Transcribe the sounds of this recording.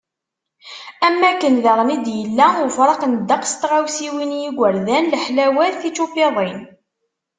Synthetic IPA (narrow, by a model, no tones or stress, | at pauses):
æmːækːənðəʁˤnid̪jəlːæʊɾfɾˤɑqnd̪ːɑqst̪ʁawsiwinjiɡʷəɾðænləħlæwæɾθit͡ʃupeðˤin